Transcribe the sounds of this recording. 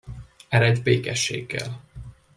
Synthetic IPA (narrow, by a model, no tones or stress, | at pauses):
ɛɾɛɛɟbeːkɛʃːḛːɡːɛ̰l